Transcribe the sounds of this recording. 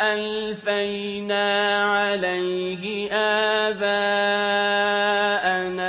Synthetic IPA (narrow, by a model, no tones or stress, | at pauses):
ʔalfaj | naːʕalaj | hɪʔaːbaː | ʔana